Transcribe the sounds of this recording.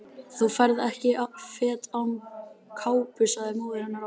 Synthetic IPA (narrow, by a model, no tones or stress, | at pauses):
θufaɾðɛhcɪfɛːt̪awmkʰaːwpʏsaðɪmoːðɪɾanːaɾ